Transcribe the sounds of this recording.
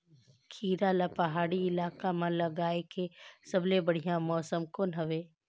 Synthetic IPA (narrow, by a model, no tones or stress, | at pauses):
kʰiːɾalapɐɦaːɽiɪlaːkamãlɐɡaːekesɐblebɐɽ̤ijãmɔːsəmkonɐʋeː